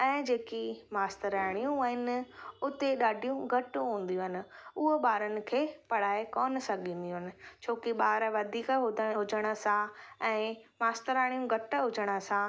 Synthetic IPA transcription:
ɛ̃ːd͡ʑeːkimaːst̪əɾaːɪɽ̃ijũaːɦɪnɪ̆ʊt̪eɗaːɖʱijũɡʱɐʈʊɦũːn̆d̪ijũɦɪnɪ̆ʊɦoɓaːɾənɪ̆kʰeːpɐɽ̤aːekɔːn̆sɐɡĩːn̆d̪ijũɦɪnɪ̆t͡ɕʰoːkiɓaːɾʋɐd̪ʱiːkɦʊd̪əɽɦʊd͡ʑəɽ̃ə̆sãɛ̃ːmaːst̪əɾaːɽ̃ijũɡʱɐʈɦʊd͡ʑəɽ̃ə̆sã

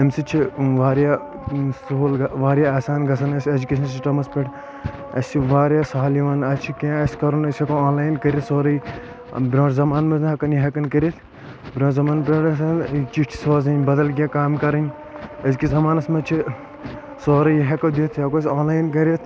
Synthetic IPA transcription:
emsit͡ʃʰiʋaːɾjaː | sooːlɡʋaːɾjaːaːsaːnɡɐsʰɐnɐsʲed͡ʒukʲeːʃʰɐnsiʈɐmɐspʲɐʈʰ | ɐsiʋaːɾjaːsaːliʋaːnɐt͡ʃʰikẽːɐsʲkɐɾunɐsʲɐkoaːnlaːjnkɐɾʲit̪soːɾɐj̰ | bɾõːʈzɐmaːnmɐzɦɐkɐnjiɦɐkɐnkɐɾʲit̪ʰ | bɾõːzɐmaːnpɾɐɽɐsɐnt͡ʃiʈʰi̥soːzɐnʲbɐd̪ɐlɡʲjaːkaːmkɐɾɐnʲ | ɐskizɐmaːnɐsmɐt͡ʃʰi | soːɾɐjiɦɐkɐd̪it̪ʰjaːkos̬ʲaːnlaːjnkɐɾʲet̪ʰ

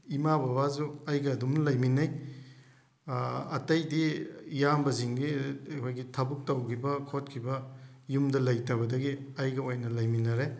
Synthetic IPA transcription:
imababazuɐjɡɐːdumnlɐjminɐj | ɐtɐjdijambɐziŋɡikʰojɡitʰɐbuk̚tɐwkʰibɐkʰot̚kʰibɐjumdɐlɐjtɐβɐdɐɡiɐjɡɐojnɐlɐjminɐɾe

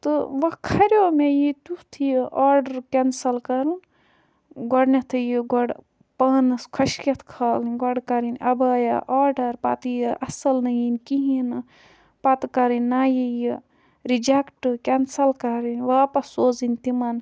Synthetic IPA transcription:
t̪ɨʋɐkʰɐɾʲoːmejit̪ut̪ʰjiʔaːɾɖɐɾkʲɐnsɐlkɐɾn | ɡɔɽnʲɐt̪ʰɨjiɡɔɽ | pɐːnɨskʰɐʃkʲɐt̪ʰkʰalɨnɡɔɽkɐɾinʲʔɐbaːja̰ʔaːɖɐɾpɐt̪ɨjiʔɐsɐlnɐjinʲkiɦinɨ | pɐt̪ɨkɐɾinʲːaːjiji | ɾid͡ʒekʈɨkʲensɐlkɐɾinʲʋaːpɐsoːzinʲt̪imɐn

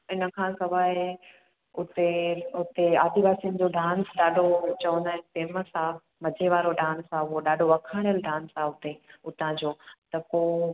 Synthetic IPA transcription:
ɪnə̆kʰãːsɐʋaːe | ʊt̪eʊt̪eaːd̪iʋaːsin̆d͡ʑoɖʱãːnsɗaːɖʱot͡ɕɐʋə̃nd̪aːɦɪnɪpeːməsãː | mɐd͡ʑʱeʋaːɾoɖʱãːnsaʊɦoɗaːɖʱoʋɐkʰaːɽ̃ijəlɖʱãːnsaɦʊt̪eʊt̪ãd͡ʑoːt̪ɐpoː

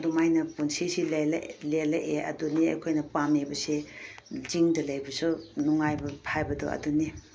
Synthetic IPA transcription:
dumajnɐpunsisilllelɐʔeʔɐ̰duniɐ̰jkʰojnɐpamebɐse | ziŋdɐlɐjbɐsunuŋajbɐpʰajbɐdɔ̰ɐ̰duni

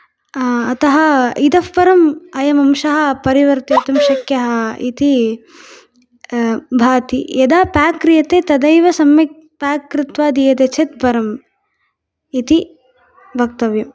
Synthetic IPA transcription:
ɐt̪ɐɦɐid̪ɐfpɐɾɐmɐjɐmɐmʃɐɦɐ̆pɐɾiʋɐɾt̪it̪ɐmʃɐkjɐɦɐ̆ḭt̪i | bʱaːt̪ḭed̪aːpaːkɾijɐt̪eːt̪ɐd̪ɐjʋɐsɐmjɐ | paːkɾɪt̪ʋaːd̪ijɐd̪et͡ʃʰet̪̚bʱɐɾɐm | it̪i | bʱɐk̚t̪ɐʋjɐm

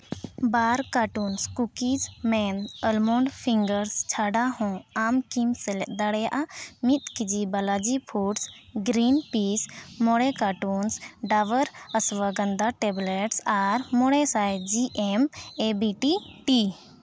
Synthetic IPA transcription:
baɾkaʈunskukid͡ʒmɛnəlmɔɳɖpʰiŋɡəɾst͡ʃʰaɖahɔ̃amkimsɛlɛʔ̪̚d̪aɽɛjaʔamit̪̚kid͡ʒibalad͡ʒipʰuʈsɡɾinpismɔɽɛkaʈunsɖaʋəɾəswəɡənd̪aʈɛblɛʈsaɾmɔɽɛsajd͡ʒiʔɛmebiʈiʈi

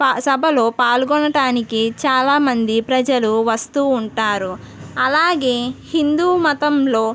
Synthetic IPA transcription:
sɐbʱɐlo̞ːpaːlɡɔnɐʈaːnikit͡ʃaːlaːmɐnd̪ipɾɐd͡ʒɐluʋɐst̪uːɳʈaːɾu | ɐlaːɡe̞ːhind̪uːmɐt̪ɐmlo̞ː

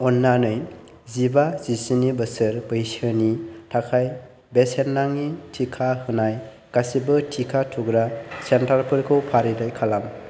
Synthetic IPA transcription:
ɔnːanɯj | zibazisinibɯsɯɾbɯjsɯnitʰakʰaj | besenːaŋitʰikʰahɯnaj | ɡasibɯtʰikʰatʰuɡɾasentaɾpʰɯɾkʰɯwpʰaɾidajkʰalam

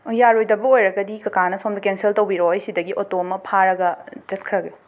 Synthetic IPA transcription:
jaɾojdɐbɐojɾɐɡɐdikɐkanɐsomdɐkenseltɐwbiɾojsidɐɡiʔotoɐmɐpʰaɾɐɡɐd͡ʒɐt̚kʰɾɐɡe

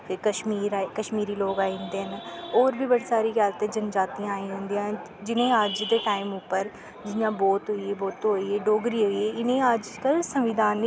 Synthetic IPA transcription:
fekəʃmiːɾakəʃmiːɾiːloːɡãːnd̪eːɦnːoːɾbʱiːbəɽiːsaːɾiːkjaːlt̪ẽːd͡ʒənd͡ʒaːt̪iãːaːĩːɦʊ̃nd̪iãː | d͡ʒɪnẽːəd͡ʒd̪eːʈaːɪmʊpːəɾ | d͡ʒɪjãːbɔːt̪ɦoːieːbɔːt̪ːõɦoieːɖoːɡɾiːɦoːieːɪnẽːəd͡ʒkəlsəmʋɪd̪aːnː

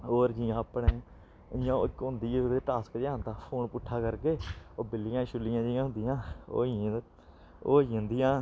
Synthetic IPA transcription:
oːɾd͡ʒiãːəpɳeː | ɪjãːɪkːɦʊ̃nd̪iːod̪eːʈaːskd͡ʒãːnd̪aːpʰoːnpʊʈʰːaːkəɾkeːoːbɪlːɪjãːʃʊlːɪjãːd͡ʒiːãːɦʊ̃nd̪ɪjãːo̰ː | õːnd̪ɪjãː

